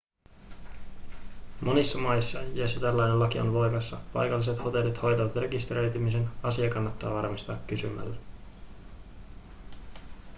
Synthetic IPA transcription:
mʔo̞nisːɑmɑjsːɑjɑsit̪ælːɑjnelːɑk̟io̞̰nʋo̞jmɑsːɑpɑ̰jkɑlːise̞t̪ho̞t̪e̞lːit̪ho̞jt̪ɑʋɑt̪re̞kist̪eɾø̞ɥt̪ymise̞nɑsiɑkɑnːɑt̪ːɑːʋɑrmist̪ɑːkːysymæ̰lːe

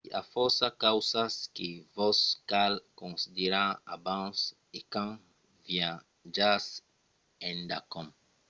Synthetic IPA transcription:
a̰fɔɾsakawsaskevɔskalkõnsid̪eɾãabãs | ekãŋ | vjã | d͡ʒas | ẽnd̪a̰kõm

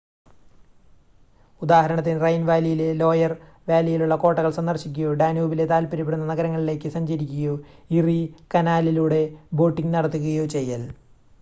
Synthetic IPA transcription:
ud̪aːhɐɾɐɳɐt̪ːinrɐjnʋaːlijilelo̞ːjɐr | ʋaːlɐjiluɭːɐko̞ːʈːɐɣɐɭsɐnd̪ɐrɕikʲːujo̞ːɖaːnuːbile̞t̪aːlpɐɾipeɽunːɐnɐɡɐɾɐŋːɐɭile̞ːkːɨsɐɲd͡ʑɐɾikʲːuɣɐjo̞ːirikɐnaːliluːɽe̞bo̞ːʈːiŋɡnɐɽɐt̪ːuɣuɐjoːt͡ɕe̞jːɐl

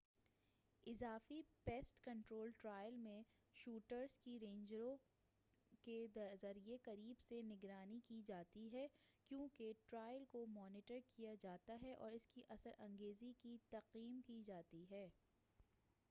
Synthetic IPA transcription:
ɪzaːfipeːsʈkɐ̃ɳʈɾoːlʈɾaːɪjəlmẽ | ʃuːʈəɾzkiɾẽːɲd͡ʒɾõ | ked̪zɐɾieqɐɾiːbsenɪɡɾaːnikid͡ʒaːt̪iɦɛːkjõːkeʈɾaːɪəlkomɔːnɪʈəɾkijad͡ʒaːt̪aɦɛʔɔ̰ːɾɪskiʔɐsəɾʔɐ̃ŋɡeːzikit̪ɐqiːmkid͡ʒaːt̪iɦɛː

